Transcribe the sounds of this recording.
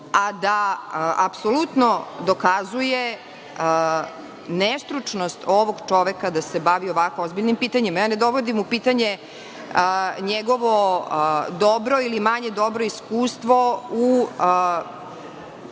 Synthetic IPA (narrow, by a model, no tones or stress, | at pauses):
ad̪aʔapsolut̪nod̪o̞kazuje | nest̪ɾut͡ʂnost̪oʋoɡt͡ʃo̞ʋekad̪asebaʋioʋakoozbiʎnimpiːt̪aɲemajaːne̞d̪o̞ʋod̪imupiːt̪aɲe | əɲeɡo̞ʋo | d̪obɾo̞ilimaɲe̞d̪o̞bɾoiskuːst̪ʋo̞u